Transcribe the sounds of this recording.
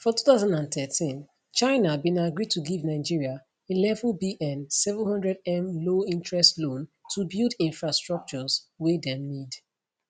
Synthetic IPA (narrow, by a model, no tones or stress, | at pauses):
fɔtuθaʊzãndãnθɛtʰĩn | t͡ʃãɪnabĩnaɡɹid̚tʰuɡivnaɪd͡ʒiɹia | ĩnlɛvəlbiʔɛ̃nsɛvə̃nhʌ̃ndɹɛdɛ̃mloĩntɹɛstlõntʰubilˠdĩnfɹastɹ̥ɔk̚t͡ʃɔzwedɛ̃mnid